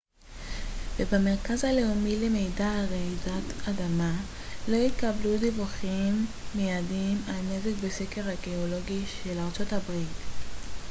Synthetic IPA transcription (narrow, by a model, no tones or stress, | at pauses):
vebame̞ʁkazhale̞umile̞me̞jdaʁezatadama | lo̞itkabludivuχimːejadimalne̞zekbeseke̞ʁhaɡeolo̞ɡiʃe̞laʁt͡so̞tabʁit